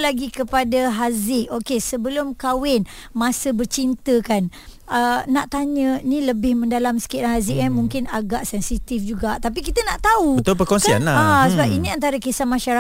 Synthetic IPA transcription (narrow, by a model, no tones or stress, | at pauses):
laɡikəpadaɦazɪʔokesəbəlʊmkawɪn | mãsəbərt͡ʃint̪əkan | ənaʔt̪aɲə̃nĩləbɪhmə̃ndalamsə̥kɪt̪anɦazɪʔkanmuŋkɪnaɡaʔsɛnsit̪ifd͡ʒuɡaʔt̪ap̬ikit̪ənaʔt̪auət̪opəkɔnsia̰naasəbapinĩant̪aɾakesamãʃaɾa